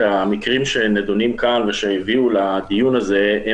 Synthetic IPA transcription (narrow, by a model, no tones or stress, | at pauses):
amikʁimʃe̞ned̪unimkanveʃeiviulad̪ijunaze̞e